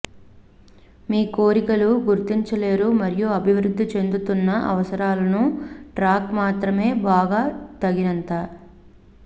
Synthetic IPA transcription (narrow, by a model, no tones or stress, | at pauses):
miːko̞ːɾikɐluɡuɾt̪iɲt͡ʃɐle̞ːɾumɐɾijuɐbʱiʋɾud̪ʱːit͡ʃe̞nd̪ut̪unːɐʔɐ̰ʋɐsɐɾaːlɐnuʈɾaːkmaːt̪ɾɐme̞ːbaːɡaːt̪ɐɡinɐnt̪aː